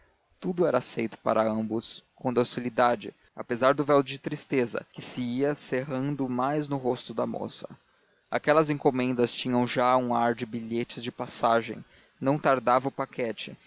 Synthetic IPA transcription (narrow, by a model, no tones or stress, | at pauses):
t̪ud̪ʊɛɾɐsejt̪ʊ̥pa̰ɾɐɐ̃mbʊskõd̪osilid̪ad͡ʒɪ̰ | a̰pezaɾd̪ʊvɛwd͡ʒɪt̪ɾist̪ezɐ̰kɪsɪiɐseɦɐ̃nd̪ʊmajznʊɦost̪ʊd̪ɐmo̰sɐ̥ | a̰kɛlɐzẽŋkomẽnd̪ɐst͡ʃĩɲɐ̃w̃ʒaũaɾd͡ʒɪbiʎet͡ʃɪzd͡ʒɪpasaʒḛ̃j̃ | nɐ̃w̃t̪aɾd̪avɐʊpakʰɛt͡ʃɪ